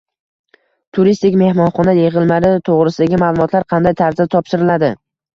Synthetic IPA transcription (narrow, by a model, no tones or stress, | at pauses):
t̪ʰʊɾist̪ɪkʲme̞hmɒnχɒnajeʁɨlˠmaɾɪt̪ʰoʁɾɪsɪd̪aɡʲɪmaːlˠʊmɒt̪laɾqʰɑnd̪ajt̪ʰaɾzat̪ʰɒpʃɪɾɪlad̪ɪ